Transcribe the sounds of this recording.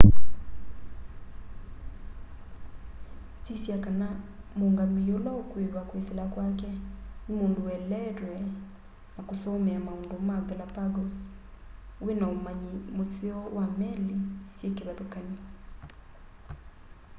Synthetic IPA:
tisjakanamoŋɡamijolaokweɾwakweselakwakɛnimoːndowɛlɛɾwɛ | nakosɔmɛamaondomaɡɛlapaɡɔs | wenaomaɲimoseɔwamɛlisjekeβaðokani

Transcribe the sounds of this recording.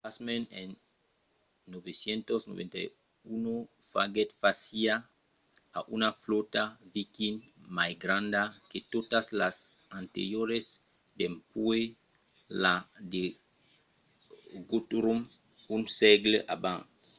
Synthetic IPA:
pasmenen | nːobesjent̪osno̰βḛ̃nt̪a̰j | uno | fa̰ɡet̪fasia | a̰ʔunaflot̪avikinmajɡɾãnd̪aket̪ot̪aslas | ant̪ḛɾjoɾes | d̪empue | lad̪e | ɡut̪uɾum | unsɛɡleʔabã̰ŋ

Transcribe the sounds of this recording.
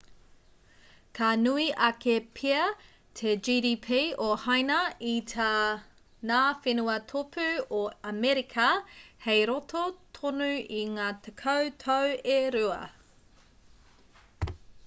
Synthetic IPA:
kʰanuiʔɐkepʰiɐ | tʰed͡ʒiːdiːpʰiːohajnɐitʰa | naːfenuɐtʰopʰʉoɐmɛɾikʰɐhejɾotʰot̪ʰonʉiŋaːt̪ʰekʰɐwtʰoweɾʉɐ̰

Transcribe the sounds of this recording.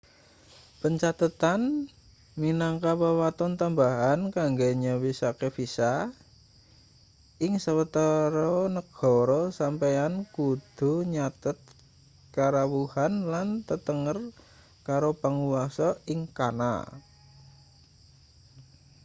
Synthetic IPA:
pəɲt͡ʃat̪ət̪an | minaŋkawəwat̪ɔnt̪ambaɦankaŋɡeɲawisakefisa | ɪŋsəwət̪əɾɔnəɡ̥ɔ̤ɾɔsampejankud̪̥ṳɲat̪ət̪̚ | kaɾawuhanlant̪ət̪əŋər | kaɾopəŋuwasɔɪŋkana̰

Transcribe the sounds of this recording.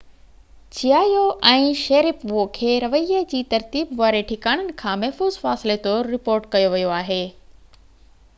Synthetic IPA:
t͡ɕiaːjoʔɛ̃ːʃɐːɾɪpʋokʰeːɾɐʋəiəd͡ʑiːt̪ɐɾt̪iːbʋaːɾeʈʰɪkaːɽ̃ənɪ̆kʰãːmɛɦfuːzfaːsɪlet̪oːɾːɪpoːɾʈkɐjoʋijoaːɦeː

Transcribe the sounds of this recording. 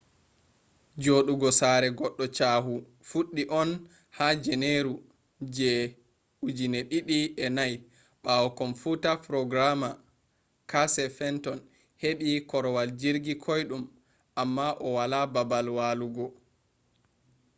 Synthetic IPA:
d͡ʒoɗuɡɔsaɾɛɡɔɗːɔt͡ʃaːɦu | fuɗːiʔɔn | had͡ʒɛneɾu | d͡ʒɛ | ud͡ʒinɛɗiɗiɛnaj | ɓawɔkɔmfutapɾɔɡɾama | kasɛfɛntɔn | heɓikɔɾɔwald͡ʒiɾɡikʰɔjɗum | ʔamːaʔɔwalababalwaluɡɔ

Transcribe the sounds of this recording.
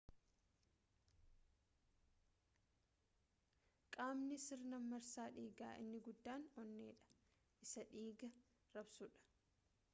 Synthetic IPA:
kʼaːmnɪsɪɾnɐmːɐɾsaːᶑiːɡaːʔɪ̰nːɪɡʊd̪ːaːnɔnːeːᶑɐ̥ | ʔɪsɐᶑiːɡɐ | ɾɐbsʊᶑɐ̥

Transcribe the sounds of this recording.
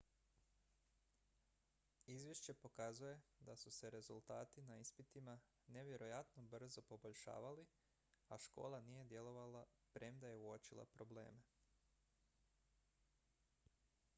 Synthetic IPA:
izʋjeʃt͡ɕe̞po̞kazuje̞d̪asuse̞ɾe̞zulˠt̪aːt̪inaispit̪ima | ne̞ʋje̞ɾo̞jat̪no̞br̩zo̞po̞bo̞ʎʃa̰ːʋali | aʃko̞̰ːlˠanije̞d̪jelo̞ʋala | pɾe̞md̪ajeuot͡ʃilˠa̰pɾo̞ble̞̰ːme

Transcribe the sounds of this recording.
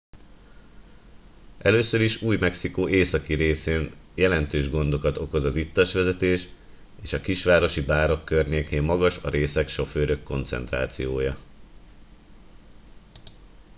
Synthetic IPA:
ʔɛløːsø̞ɾiʃuːjmɛksikoːʔeːsɒkiɾeːseːnjɛlɛnt̪øːʒɡo̞n̪d̪o̞kɒt̪o̞ko̞zɒzit̪ːɒʃʋɛzɛt̪eːʃ | eːʃɒkiʃʋaːɾo̞ʃibaːɾo̞kːørɲeːkeːmːɒɡɒʃɒ̰ɾeːsɛkʃo̞føːɾøkːo̞nt̪sɛ̰nt̪ra̰ːt̪sijoːjɒ

